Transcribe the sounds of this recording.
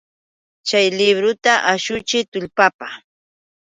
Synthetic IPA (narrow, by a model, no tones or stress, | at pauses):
t͡ʃajlɪβɾʊt̪aʔaʃʊt͡ʃɪt̪ʊʎpapa